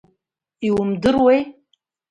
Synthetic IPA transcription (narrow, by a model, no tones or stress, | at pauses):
iwʊmdɨrwej